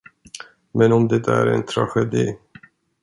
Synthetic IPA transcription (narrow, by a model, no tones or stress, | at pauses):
mɛnɔmd̪ɛt̪aæ̰ɾɛ̰nt̪ʰɾa̰ɧɛd̪iː